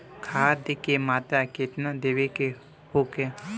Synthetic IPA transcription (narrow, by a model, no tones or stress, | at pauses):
kʰaːd̪ekemaːt̪ɾaket̪nãd̪eʋeke | hoke